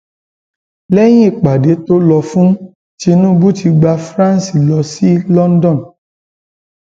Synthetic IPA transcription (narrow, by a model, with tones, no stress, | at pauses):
lɛ˦j̃ĩ˦i˦˨k͡pa˨de˨˦to˦lɔ˧fũ˦ | t͡ʃi˧nũ˦bu˦ti˧ɡ͡ba˧fɾã˦n˨si˨lɔ˧si˦lɔ˦n˦dɔ̃˦˨n